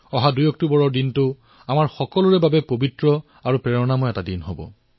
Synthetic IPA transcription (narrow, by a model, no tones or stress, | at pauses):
ɔɦadujɔk̚tubɔɹɔɹdintʊ | amaɹxɔkɔlʊɹɛbabɛpobitɹɔ | aɹupɹɛɹɔnamɔjɛtadinɦobɔ̰